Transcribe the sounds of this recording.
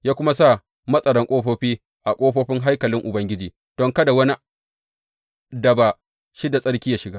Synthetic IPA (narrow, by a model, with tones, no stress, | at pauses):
jaː˦kʷʊ˦ma˦sa˦˨ | mɐ˦sʼɐ˨ɽɐ˦ŋkʷʼoː˦ɸoː˦ɸiː˦ | ʔa˨kʷʼoː˦ɸoː˦ɸɪ˦ŋɦa˦jkɐ˨lɪ˦ŋʔʊ˨bɐ˦ŋɡʲɪ˦d͡ʒiː˨ | d̥ɔ˦ŋkɐ˦da˨wɐ˦ni˦ | dɐ˨ba˨ | ʃɪ˦da˨sʼɐ˦ɽkʲiː˦jaː˦ʃɪ˨ɡaː˦